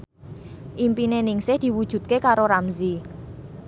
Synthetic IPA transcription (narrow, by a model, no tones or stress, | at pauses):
ʔimpinenɪŋsɪhd̪̥i̤wud̥ʒ̥ṳt̪̚kekaɾoɾamzi